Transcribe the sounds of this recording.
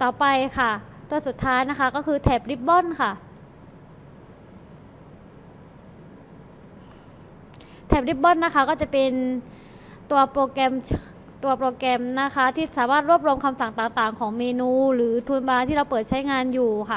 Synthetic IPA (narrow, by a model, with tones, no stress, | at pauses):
t̪ɔː˨˩pa˧jkʰa˥˩ | t̪u˧ɐsu˨˩t̪ʰːaː˦˥jna˦˥kʰa˦˥kɔː˥˩kʰɯː˧t̪ʰɛː˨˩p̚ɾi˦˥p̚bɔ˥˩˨nkʰa˥˩ | t̪ʰɛː˨˩p̚ɾi˦˥p̚bɔ˥˩˨nːa˦˥kʰa˦˥˩kɔː˥˩t͡ɕa˨˩pe˧n | t̪u˧ɐpɾoː˧kɛ˧m | t̪u˧ɐpɾoː˧kɛ˧mna˦˥kʰa˦˥t̪ʰiː˥˩saː˩˦maː˥˩t̪̚ɾu˥˩p̚ɾu˧əmkʰa˧msa˨˩ŋt̪aː˨˩ŋt̪aː˨˩ŋkʰɔː˩˦ŋmeː˧nuː˧ɾɯː˩˦t̪ʰuː˧nbaː˧t̪ʰiː˥˩ɾa˧wpɤː˨˩t̪̚t͡ɕʰa˦˥jŋaː˧njuː˨˩kʰa˥˩